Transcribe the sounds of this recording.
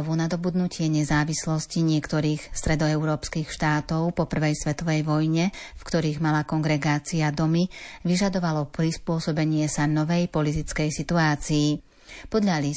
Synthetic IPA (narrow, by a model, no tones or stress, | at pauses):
ʋunad̪ɔbud̪nucɪɛɲɛzaːʋislɔsciɲɪɛkt̪ɔɾiːxst̪ɾɛd̪ɔɛʊɾɔːpskixʃt̪aːt̪ɔʊpɔpr̩ʋɛjsʋɛt̪ɔʋɛjʋɔjɲɛfkt̪ɔɾiːɣmalakɔŋɡɾɛɡaːt͡siad̪ɔmiʋiʒad̪ɔʋalɔpɾispʊɔsɔbɛɲɪɛsanɔʋɛjpɔlit̪̬it͡skɛjsit̪uaːt͡siː | pɔd̪ʎali